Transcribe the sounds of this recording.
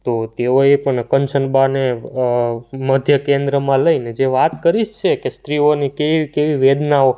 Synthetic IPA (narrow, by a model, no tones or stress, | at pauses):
t̪ot̪eoepəɳkənt͡ʃənbane | məd̪ʱjəkẽnd̪ɾəmãləined͡ʒeʋat̪kəɾiʃt͡ʃʰekest̪ɾionikeikeʋiʋed̪nao